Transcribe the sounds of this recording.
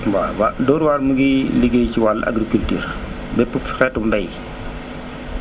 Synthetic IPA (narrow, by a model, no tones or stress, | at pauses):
wawadɔːɾwaːɾmuɡiliɡejt͡ʃiwalʔa̰ɡɾikultḭːɾ | bɛpːufxɛtumdɐj